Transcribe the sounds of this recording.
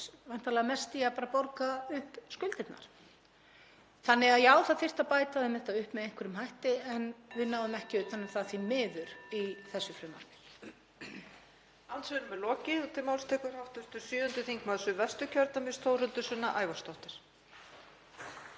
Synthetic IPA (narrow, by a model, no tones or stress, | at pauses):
van̥t̪alɛɣamɛst̪iapaːɾapoɾkaʏhpskʏlt̪ɪt̪na̰ɾ̥ | θanːɪɣaðjɛaːwθaðfɪr̥t̪apaːjt̪aðɪmɛht̪aʏhpmɛðejŋ̥kʰvɪɾʏmɦajht̪ɪɛnvɪðnaːwðʏmɛhcɪʏt̪θanːɪɾ̥θaðθvimɪːðʏɾiθɛsːʏfɾɪmːa̰ɾt̪ɪɾ̥ | awnt̪sɛnʏmɛlɔːcɪðɔt̪ʰɪlmawlst̪ʰɛːkʏɾ̥hawht̪ʏst̪ʏsyːʏnt̪ʏθiŋkmaðsʏvɛst̪ʏcʰœɾt̪namɪst̪ʰowrʏnt̪ʏsʏnːaʔaːjvast̪ɔht̪ɪɾ̥